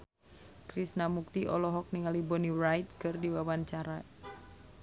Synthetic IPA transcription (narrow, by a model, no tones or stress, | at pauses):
kɾisnamuk̚t̪iʔɔlɔɦɔk̚niŋalibɔnirajt̪̚kɨrdiwabant͡ʃaɾa